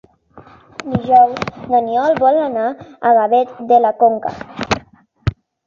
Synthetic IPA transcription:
d̪iʒɔwzd̪aniɔlβɔlanaaɣaβet̪d̪elakoŋka̰

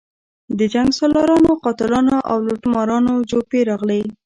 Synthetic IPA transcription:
d̪əd͡ʒaŋɡsɑlɑɾɑnoqɑt̪ɪlɑnaʔa̰wlʊʈmɑɾɑnod͡ʒopeɾɑɣle

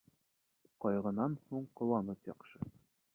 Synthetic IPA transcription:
qɒjʁɤ̆nɑnhuɴqŏlˠɑnɤt̪jɒqʃɤ

